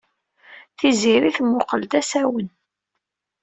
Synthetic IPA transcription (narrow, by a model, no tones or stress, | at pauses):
θiziɾiθmːʊqəld̪æsæwən